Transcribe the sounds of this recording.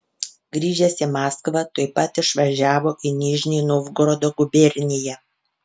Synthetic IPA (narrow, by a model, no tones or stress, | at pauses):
ɡɾʲiːʒʲɛsʲɪmɑːskʋɐt̪oɪpɐt̪ɪʃʋɐʒʲæːʋoːʔɪnʲiːʒʲnʲɪːnoʋɡɾɔd̪oːɡʊbʲɛɾʲnʲɪjɛ